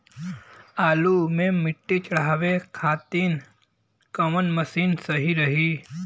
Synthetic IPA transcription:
aːlumẽmɪʈːet͡ʃɐɽaːʋekʰaːt̪iːn | kɐmənməsiːnsəɦiɾəɦi

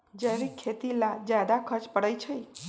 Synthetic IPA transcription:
d͡ʒəjɾikʰet̪ilad͡ʒjad̪akʰəɾt͡ʃpəɽəjt͡ʃʰəj

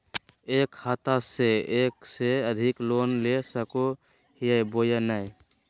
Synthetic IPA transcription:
eːkʰhat̪aseeːkseəd̪ʱikloːnlesəko | hijəjbojənaj

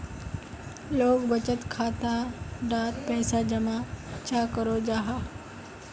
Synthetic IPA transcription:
loːɡbət͡ʃət̪kʰaːt̪aɖaːt̪pɛːsad͡ʑɐmãt͡ʃʰaːkəɾod͡ʒaːɦaː

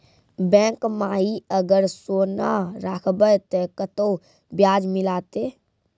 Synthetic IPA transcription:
bɛ̃kmaɦiəɡəɾsonaɾakʰbəjt̪əkət̪o | bjaːd͡ʒmilat̪e

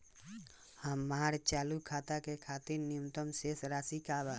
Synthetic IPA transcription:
həmːaːɾt͡ʃaːlukʰat̪akekʰat̪iɾniəmt̪əmsesɾaːsikaba

